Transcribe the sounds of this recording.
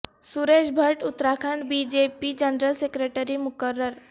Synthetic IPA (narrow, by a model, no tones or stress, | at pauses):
suɾeːd͡ʒbʱəɾʈʊt̪ːɾaːkʰəɳɖbid͡ʒeːpid͡ʒənɾəlsekɾeːʈəɾimʊkəɾːəɾ